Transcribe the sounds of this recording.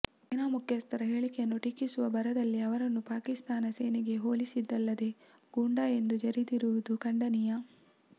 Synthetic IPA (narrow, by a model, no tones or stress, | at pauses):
inaːmukʰjɐst̪ɐɾɐɦe̞ːɭikejɐnːuʈikːisuʋɐbɐɾɐd̪ɐlːiɐʋɐɾɐnːupaːkist̪aːnɐseːniɡe̞ɦoːlisid̪ːɐlːɐd̪e̞ | ɡ̥uɳɖaːe̞nd̪ud͡ʒɐɾid̪iɾuʋud̪ukɐɳɖɐnijɐ